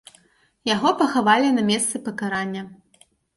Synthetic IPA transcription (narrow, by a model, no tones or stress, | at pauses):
jaɣɔpɐxavalʲinɐmʲɛst̪sɨpɐkaɾanʲːɐ